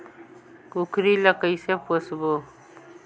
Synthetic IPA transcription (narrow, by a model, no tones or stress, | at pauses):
kukɾilakəjseposbo